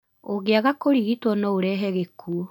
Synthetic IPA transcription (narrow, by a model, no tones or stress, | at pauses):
oɣeaɣakoɾiɣitwɔnɔoɾɛːɦɛɣekʰuo